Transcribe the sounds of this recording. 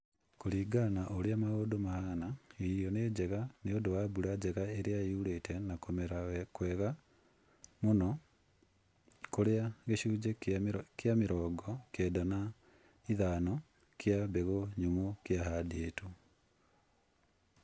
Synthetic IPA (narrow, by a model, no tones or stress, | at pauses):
koɾiːɡanaʔoɾeamaɣodomahaɣanaiɾjɔned͡ʑɛɣaneodowabuɾad͡ʑɛɣaeɾeaiuɾetʰɛnakomɛɾakwɛːɣa | monɔ | koɾeaɣeʃuːd͡ʑekjameɾɔːɡɔkɛːdana | iðanɔ | kjabeɣoɲomokjaɦadeetu